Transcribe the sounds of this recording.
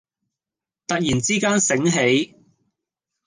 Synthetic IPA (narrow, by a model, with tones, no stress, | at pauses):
t̪ɐ˨k̚jiː˨˩nt͡siː˥kaː˥nsɪ˨˥ŋɦe˨˥j